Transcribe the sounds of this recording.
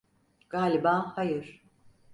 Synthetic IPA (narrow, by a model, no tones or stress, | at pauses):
ɡ̥aːlʲibaːhajɯɾ̥